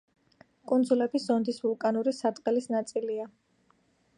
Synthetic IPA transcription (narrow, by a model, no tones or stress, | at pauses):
kʼund̪zulɛbiszɔnd̪isvulˠkʼanuɾisad̪qʼɛlisnat̪sʼilia